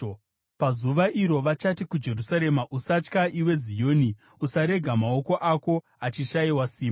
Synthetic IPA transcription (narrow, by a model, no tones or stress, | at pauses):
pazuʋaʔiɾo̞ʋat͡ʃatikud͡ʒe̞rusaɾe̞maʔusat͡ʃkaʔiwe̞zijo̞ːni | usaɾe̞ɡʱamao̞ko̞ʔako̞ | at͡ʃiʃaiwasiːmba